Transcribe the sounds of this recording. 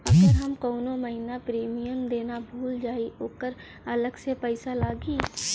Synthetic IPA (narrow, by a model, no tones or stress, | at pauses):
ɐɡəɾɦɐmkoːnoməɦɪnapɾiːmijəmd̪eːnabʱuːld͡ʒaːioːkəɾ | ɐləɡsepɛɪsalaːɡiː